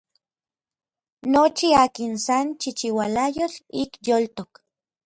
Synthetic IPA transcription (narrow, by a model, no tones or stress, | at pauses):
not͡ʃiaːkinsant͡ʃit͡ʃiwalajot͡ɬikjolt̪ok